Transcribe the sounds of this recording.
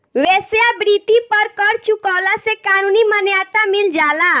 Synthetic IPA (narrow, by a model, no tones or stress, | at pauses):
wesjabɾit̪ipəɾkəɾt͡ʃukawlasekaːnunimənjat̪amild͡ʒala